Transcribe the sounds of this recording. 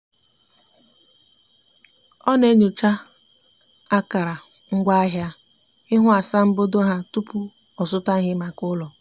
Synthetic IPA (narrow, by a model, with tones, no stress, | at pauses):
ɔ˦ne˦ɲu˨t͡ʃa˦ | a˦ka˨ɾa˨ | ŋ̩˦ɡʷa˦a˦ɦja˦ | ɪ˦ɦʊ˦a˨sa˦m̩˦bo˦do˦ɦa˦tu˦pu˦ | ɔ˨sʊ˦ta˦ɦɪ˦ma˨kʊ˦lɔ˨